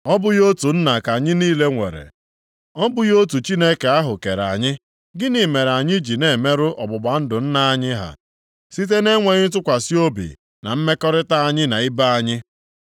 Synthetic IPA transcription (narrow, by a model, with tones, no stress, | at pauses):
ɔ˦bʊ˦jo˦tu˨n̩˦na˨ka˨ɲɪ˦niː˦le˦ŋʷe˨ɾḛ˨ | ɔ˦bʊ˦jo˦t̬u˨t͡ʃi˦ne˦ke˨a˦ɦʊ˨ke˨ɾa̰˨ɲɪ˦ | ɡɪ˦ni˨me˨ɾa˨ɲɪ˦d͡ʒi˨ne˨me˦ɾʊ˦ʔɔ˨bʊ˨ɡ͡ba˨n̩˦dʊ˨n̩˦na˨a˨ɲɪ˦ɦa̰˨ | si˦t̬e˦ne˦ŋʷe˨ɲɪ˦t̬ʊ˦kʷa˨si˦o˦bḭ˨ | na̰˨m̩˦me˦kɔ˦ɾɪ˦ta˦a˨ɲɪ˦na˨i˦ba˦a˨ɲɪ˦